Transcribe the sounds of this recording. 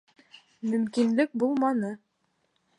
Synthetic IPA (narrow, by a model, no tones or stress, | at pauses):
mɵ̆mkinlɘk̚bulˠmɑnɤ